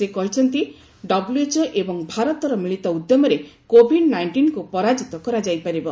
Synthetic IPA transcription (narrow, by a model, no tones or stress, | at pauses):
sekɔɦit͡ʃʰɔnt̪i | ɖɔbuluet͡ʃɔʔebɔŋbʱaɾɔt̪ɔɾɔmiɭit̪ɔud̪jɔmɔɾekobʱiɖnajɳʈinkupɔɾad͡ʒit̪ɔkɔɾad͡ʒajpaɾibɔ